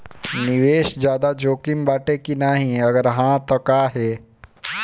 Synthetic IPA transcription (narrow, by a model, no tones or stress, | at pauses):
nɪʋeːʃd͡ʒjaːd̪ad͡ʒoːkimbaːʈekinaːɦĩɐɡəɾɦãt̪okaːɦɛː